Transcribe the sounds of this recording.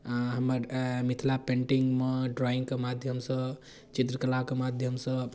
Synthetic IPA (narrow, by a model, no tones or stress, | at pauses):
aɦəməɾmit̪ʰlapeɳʈiŋɡmeɖɾɔiŋɡkemad̪ʱjəmsə | t͡ʃit̪ɾəkəlakemad̪ʱjəmsə̃